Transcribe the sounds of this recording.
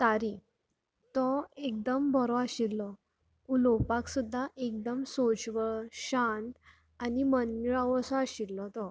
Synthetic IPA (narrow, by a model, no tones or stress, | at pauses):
t̪aɾi | t̪ɔek̚d̪əmbʱɔɾɔaɕilːɔ | ulɔpaksud̪ʱːaʔek̚d̪əmsot͡ɕʋəɭɕãnt̪ | animənːiɭaʋəsɔaɕilːɔt̪ɔ